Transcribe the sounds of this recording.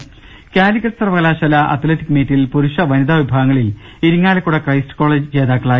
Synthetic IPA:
kʲaːɾikːɐʈːsɐrɐpɐɐlaːʂɐlɐʔɐ̰t̪leʈːikːmeːʈːilpuɾuʂɐʋɐnid̪aʋibʱaːɣɐŋːɐɭil | iɾuŋːaːlɐkːuɽɐkrɐjsʈtɨ̥ko̞ːɭeːd͡ʑɨt͡ɕe̞ːðaːkːɐɭaːj

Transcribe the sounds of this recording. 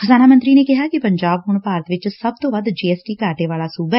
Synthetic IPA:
xəzaːnamənt̪ɾinekɪɦakipə̃ɲd͡ʒaːbɦʊːɳ̃paːɾət̪ʋɪt͡ʃsɐb̚t̪oːʋɐd̪d͡ʒeːɛːsʈiːkaːʈeʋaːlasuːbɛ

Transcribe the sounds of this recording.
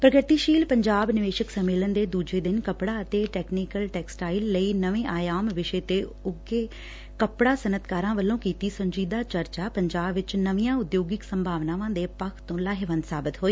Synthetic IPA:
pɾəkəɾt̪iːʃiːlpəɲd͡ʒaːbnɪʋeːʃəksəmeːlənd̪eːd̪uːd͡ʒeːd̪ɪnkəpɽaːət̪eːʈɛːknɪkəlʈɛːksʈaːɪlːəiːnəʋẽːʔaːjaːmʋɪʃeːt̪eː | ʊɡeː | kəpɽaːsənət̪kaːɾãːʋəlːõːkiːt̪iːsəɲd͡ʒiːd̪aːt͡ʃəɾt͡ʃaːpəɲd͡ʒaːbʋɪt͡ʃnəʋijãːʊd̪joːɡɪksəmbʱaːʋnaːʋãːd̪eːpəkʰt̪õːlaːɦɪʋənsaːbɪt̪ɦoːiː

